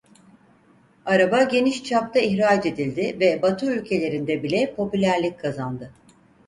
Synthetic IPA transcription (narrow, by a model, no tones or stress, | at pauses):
aɾabaɟe̞niʃt͡ʃʰap̚t̪aiçɾaːd͡ʒe̞d̪ilʲd̪ɪvɛbat̪ʰɯylʲcʰe̞lʲe̞ɾind̪ɛbilʲɛpʰo̞pylʲæɾlʲic̚kʰːazand̪ɯ